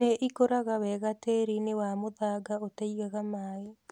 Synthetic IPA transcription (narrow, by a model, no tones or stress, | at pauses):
eʔikoɾaɣawɛɣateɾinewamoðaɡaotaiɣaɣamaːe